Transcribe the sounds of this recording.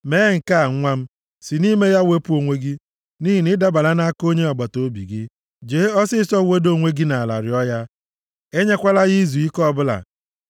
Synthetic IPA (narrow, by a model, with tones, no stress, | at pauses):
me˨˦ŋ̩˨ka˦a˨ŋ̩˦ŋʷa˦m̩˦ | si˨ni˦me˦ja˦we˦pu˦o˨ŋʷe˦ɡɪ˦ | ni˦ɦi˨nɪ˦da˦ba˨la˦na˦ko˦ɲe˦ɔ˨ɡ͡ba˨to˦bḭ˨ɡɪ˦ | d͡ʒe˨˦ɔ˦sɪ˦sɔ˦˨we˦do˦˨ŋʷe˦ɡi˦na˨a˨la̰˨ɾɪ˨ɔ˦ja˦ | e˦ɲe˦kʷa˦la˦ɣi˦zu˨i˦kɔ˦bʊ˦la̰˨